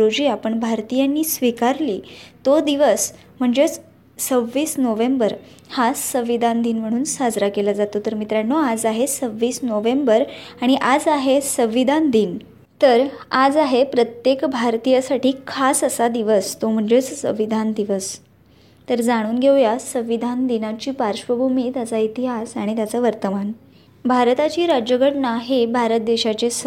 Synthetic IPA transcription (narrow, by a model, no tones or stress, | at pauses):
ɾod͡ʑiːapəɳbʱaɾt̪ijanːiːsʋikaɾliːt̪od̪iʋəs | m̤əɳd͡zet͡s | səʋːiːsnoʋẽmbəɾ | hasəʋid̪ʱãnd̪iːnm̤əɽ̃uːnsad͡zɾakelad͡zat̪ot̪əɾmit̪ɾanːoad͡zaɦesəʋːiːsnoʋembəɾaɽ̃iʔad͡zaɦesəʋid̪ʱand̪iːn | t̪əɾad͡zaɦepɾət̪jekbʱaɾt̪ijasaʈiːkʰasəsad̪iʋəst̪om̤əɳd͡ʑet͡ssəʋid̪ʱand̪iʋəs | t̪əɾd͡zaɽ̃uːnɡʱewjasə̃ʋid̪ʱand̪inat͡ɕiːpaɾʂʋəbʱumiːt̪jat͡sait̪iɦasaɽ̃it̪jat͡saʋəɾt̪əman | bʱaɾt̪at͡ɕiːɾad͡ʑjəɡʱəʈnaɦebʱaɾət̪̚d̪eɕat͡ɕe